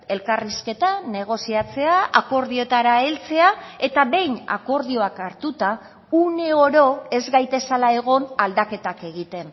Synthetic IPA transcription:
e̞lkariske̞t̪ane̞ɣ̞o̞siat͡se̞aako̞ɾðiot̪aɾae̞lt͡se̞ae̞t̪aβe̞jna̰ko̞ɾð̞io̞akaɾt̪ut̪a | une̞o̞ɾo̞e̞zɣajt̪e̞salae̞ɣ̞o̞nald̪ake̞t̪ake̞ɣ̞it̪e̞n

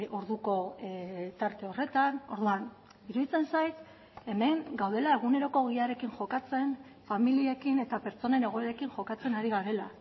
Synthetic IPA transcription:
o̞ɾðuko̞ | t̪aɾt̪e̞o̞re̞t̪ano̞ɾðuan | iɾuðit͡se̞nsajt̪ | e̞me̞ŋɡawð̞e̞lae̞ɣ̞une̞ɾo̞ko̞ɣ̞iaɾe̞kinʝo̞kat͡se̞n | familiekine̞t̪ape̞ɾt͡so̞ne̞ne̞ɣ̞o̞e̞ɾe̞kinʝo̞kat͡se̞naɾiɣaɾe̞la

